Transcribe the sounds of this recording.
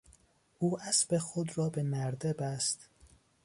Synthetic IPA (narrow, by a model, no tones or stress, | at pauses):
ʔuːæsbexod̪ɾɒːbemæɾd̪ebæst̪